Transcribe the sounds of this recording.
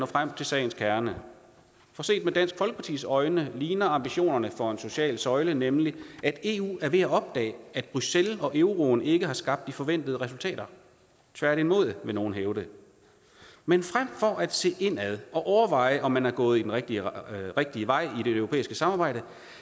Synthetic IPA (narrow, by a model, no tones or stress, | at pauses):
nɒ̰ːfʁam̰t͡sʰe̝lsɛ̰ɪnskʰæɐnə | fɒ̽se̝̰ːd̥med̥æn̰sɡ̥fɒ̽lɡəpʰɑ̈t͡sʰḭːsɒ̽ɪnəliːnɐɑ̈mb̥iɕo̝̰ːnɐnəfɒ̽e̝nso̝ɕɛ̰ːlsɒ̽ɪlənemliʔæd̥e̝̰ṵːæɐʋe̝æɒ̽b̥̚d̥ɛ̰ːæd̥̚b̥ʁyselɒ̽ʔeʊʁoːne̝ɡ̥əhɑ̈sɡ̥ɑ̈b̥̚d̥ifɒ̽ʋen̰d̥əð̞ˠəʁɛsult͡sʰɛ̰ːɾ̥ɐ | t͡sʰʋæɐɾ̥imo̝ð̰ˠʋe̝no̝ːn̩ɦeʊdə | menfʁam̰fɒ̽ʔæd̥se̝̰ːʔe̝n̰æðˠʔɒ̽ʔɒʊɐʋɑ̈ɪ̰əʔɒ̽mːænhɑ̈ɡ̥ɔ̽ːð̞̩ˠid̥enʁeɡ̥̚d̥iʁeɡ̥̚d̥iəʋɑ̈ɪ̰id̥e̝øʊʁopḛːisɡ̥əsɑ̈mɑ̈ːb̥ɑ̈ɪ̰d̥ə